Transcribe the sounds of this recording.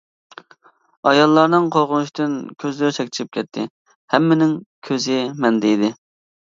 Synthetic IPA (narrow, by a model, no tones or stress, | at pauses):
ɑjɑlˠːɑɾnɨŋqʰolˠʁʊnuʃt̪ynkʲʰøzlɪɾɪt͡ʃʰɛkʲt̪ʰɾɪp̚kʲʰɛt̪ʰːɪ̰ | hɛmːɪnɪŋkʲʰøzɪmɛnd̪ejd̪ɪ